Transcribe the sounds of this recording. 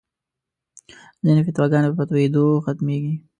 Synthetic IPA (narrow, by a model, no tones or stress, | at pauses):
zinefɪt̪wɑɡɑnepəpat̪waed̪oxat̪meɡi